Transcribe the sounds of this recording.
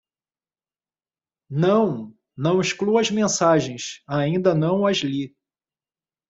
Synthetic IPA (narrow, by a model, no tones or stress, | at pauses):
nɐ̃w̃ | nɐ̃w̃iʃkluɐzmẽsaʒẽj̃saĩnd̪ɐnɐ̃w̃ɐzli